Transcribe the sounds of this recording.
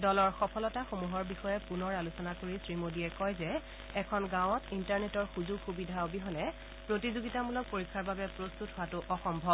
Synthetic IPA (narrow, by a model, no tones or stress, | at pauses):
dɔlɔɹxɔpʰɔlɔtaxomuɦɔɹbixɔjɛpunɔɹalusɔnakoɹisɹimodiɛkɔjzɛ | ɛkʰɔnɡãw̃ɔtʰintaɹnetɔɹxuzuɡxubidʱaobiɦɔnɛ | pɹotizoɡitamulɔk̚poɹikʰːaɹbabɛpɹostutɦʊwatʊʔɔxɔmbʱɔb